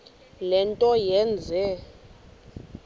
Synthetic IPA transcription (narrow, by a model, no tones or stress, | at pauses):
lɛntʼɔjɛnd͡zʱɛ